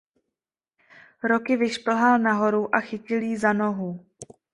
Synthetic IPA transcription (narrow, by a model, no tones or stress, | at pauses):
ɾo̞kɪvɪʃpl̩ɦalnaɦo̞ɾuʔaxɪcɪljiːzano̞ɦu